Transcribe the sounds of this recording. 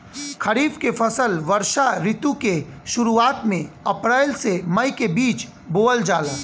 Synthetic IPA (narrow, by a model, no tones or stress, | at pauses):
kʰɐɾiːfkefʰɐsəlʋəɾʃaɾɪt̪ukeʃʊɾuaːt̪mẽɐpɾaːɪlsemɐjkebiːt͡ʃ | boːəld͡ʒaːlaː